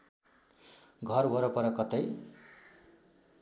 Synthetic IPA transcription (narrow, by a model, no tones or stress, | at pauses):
ɡʱʌrwʌɾʌpʌɾʌkʌt̪ej